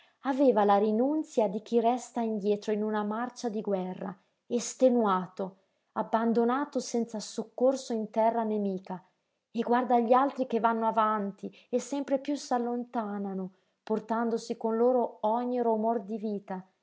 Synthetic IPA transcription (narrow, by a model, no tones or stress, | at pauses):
aveːvalaɾinunt̪sjad̪ik̟irɛst̪aind̪jɛːt̪ɾoinunamart͡ʃad̪iɡwɛrːa̰ | est̪enwaːt̪o | abːand̪onaːt̪osɛnt̪sasokːorsoint̪ɛrːanemiːka | eɡward̪aʎːalt̪ɾik̟evːanːoavant̪i | esːɛmpɾepjusalːont̪aːnano | port̪and̪osikonloːɾoɔɲːiromord̪iviːt̪a